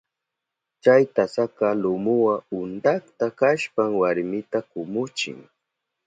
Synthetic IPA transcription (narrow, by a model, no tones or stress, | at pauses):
t͡ʃajt̪asakalʊmʊwaʊnd̪akt̪akaʃpamwaɾmɪt̪akʊmʊt͡ʃɪ̰ŋ